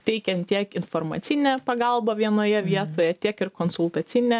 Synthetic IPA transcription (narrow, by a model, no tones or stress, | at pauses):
t̪ʲɛɪkʲɛnt̪t̪ʲiɛkɪnfoɾmɐ̰t̪sʲɪnʲɛpɐɡɐlˠbɐʋʲiɛnoːjɛʋʲiɛt̪oːjɛt̪ʲiɛkɪɾkoːnsʊlˠt̪ɐt̪sʲɪnʲɛ